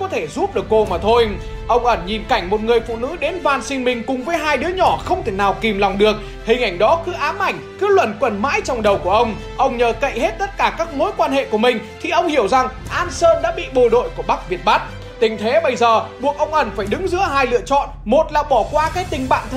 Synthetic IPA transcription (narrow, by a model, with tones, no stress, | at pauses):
kɔ˨˦t̪ʰe˧˩zu˦˥p̚ɗɨ˨˩əkːo˧maː˨˩t̪ʰo˧j | ʔə˧wŋ͡mʔə˧˩nɲi˨˩nka˧˩jŋ̟mo˨˩t̚ŋɨ˨˩əjfṵ˧˨nɨ̰˧˥ɗe˨˦nvaː˧nsi˧nmï˨˩ŋ̟kʊ˨˩ŋ͡mvəː˨˦jɦaː˧jɗɨ˨˦əɲɔ˧˩xə˧wŋ͡mt̪ʰe˧˩naː˨˩wki˨˩mlɔ˨˩wŋ͡mɗɨ˨˩ək̚ | hï˨˩ŋ̟ʔa˧˩jŋ̟ɗɔ˨˦kɨ˨˦ʔaː˨˦mʔa˧˩jŋ̟kɨ˨˦lwə˧˩nkwə˨˩nma̰ː˧˥jt͡ɕɔ˧wŋ͡mɗə˨˩wku˧˩əʔə˧wŋ͡m | ʔə˧wŋ͡mɲəː˨˩kə̰˧˨jhe˦˥t̚t̪ə˦˥t̚kaː˧˩kaː˦˥k̚mo˨˦jkwaː˧nhḛ˧˨ku˧˩əmï˨˩ŋ̟t̪ʰi˨˩ʔə˧wŋ͡mhi˧˩əwza˨˩ŋʔaː˧nsəː˧nɗa̰ː˧˥ɓḭ˧˨ɓo˧˨˩ɗo̰˧˨jku˧˩əɓa˦˥k̚vi˨˩ət̚ɓa˦˥t̚ | t̪ï˨˩ŋ̟t̪ʰe˨˦ɓə˧jzəː˨˩ɓu˨˩ək̚ʔə˧wŋ͡mʔə˧˩nfaː˧˩jɗɨ˨˦ŋzɨ̰˧˥əɦaː˧jlɨ̰˧˨ət͡ɕɔ̰˧˨nmo˨˩t̚laː˨˩ɓɔ˧˩kwaː˧kaː˨˦˥jt̪ï˨˩ŋ̟ɓa̰ː˧˨nt̪ʰ